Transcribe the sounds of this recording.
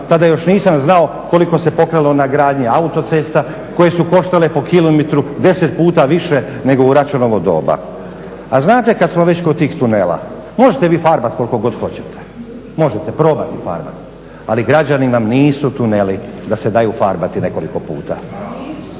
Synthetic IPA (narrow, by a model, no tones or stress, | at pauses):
t̪ad̪ajo̞ʃniːsamznao | ko̞liko̞sepo̞kɾalo̞naɡɾaːd̪ɲiaut̪o̞t̪se̞st̪a | ko̞jesuko̞ʃt̪ale̞po̞kilomet̪ɾud̪e̞set̪̚puːt̪aʋiʃe̞ | ne̞ɡo̞uɾat͡ʃunoʋo̞d̪o̞̰ːba̰ | aznaːt̪e̞kad̪smo̞ʋe̞t͡ɕkot̪iːxt̪uneːla̰mo̞ʒet̪e̞ʋiːfaɾbat̪kolko̞ɡo̞d̪xo̞t͡ɕet̪ʰe̥ | mo̞ʒet̪e̞pɾo̞ːbat̪ifa̰ɾba̰t̪ | aliɡɾad͡ʑaniʋamniːsut̪unelid̪ase̞d̪ajufaɾbat̪ine̞ko̞liko̞pṵːt̪a̰